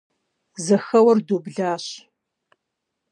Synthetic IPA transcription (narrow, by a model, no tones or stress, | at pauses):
zɐxɐwɐrdoːbɮaːɕ